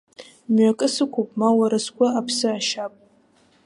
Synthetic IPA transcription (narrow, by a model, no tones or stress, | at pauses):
mɥakʼɨsɨkʷʰopʼmawaɾɨskʷʼaapʰsɨaʃapʼ